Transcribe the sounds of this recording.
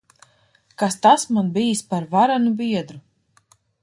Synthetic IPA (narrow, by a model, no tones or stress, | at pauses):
kast̪asmanbijispaɾvaɾanubʲiɛd̪ɾu